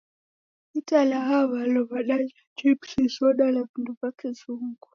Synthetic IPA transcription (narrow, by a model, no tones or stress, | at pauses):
italaɦaβalɔβaɗa | d͡ʒipsisɔɗalavinduvakɛzuŋɡu